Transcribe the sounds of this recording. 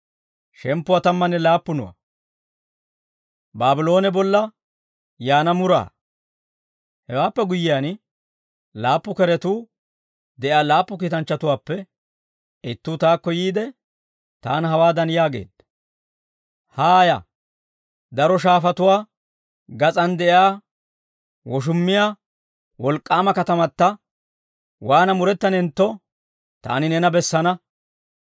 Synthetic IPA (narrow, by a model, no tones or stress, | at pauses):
ʃɛmpːʊwat̪ɐmːɐnːɛlaːpːʊnʊ̰wɐ̰ | baːbɪlo̞ːnɛbɔlːɐ | jaːnɐmʊɾa̰ː | hɛwaːpːɛɡʊjɪjaːn | laːpːʊkɛɾɛt̪uː | d̪ɛʔaːlaːpːʊk̬iːt̪ɐnt͡ʃːɐt̪ʊwaːpːɛ | ɪt̪ːuːt̪aːkːɔjiːd̪ɛ | t̪a̰ːnɦɐwaːd̪ɐnjaːɡe̞̰ːd̪̥ɐ | haːjɐ̰ | d̪ɐɾɔʃ̬aːfɐt̪ʊwaː | ɡɐt͡sʼɐnd̪ɛʔɪaː | wɔʃ̬ʊmːɪjaː | wɔlkʼːaːmɐkɐt̪ɐmɐt̪ːɐ | waːnɐmʊɾɛt̪ːɐnɛnt̪ːɔ | t̪a̰ːnɪnɛnɐbɛsːɐnɐ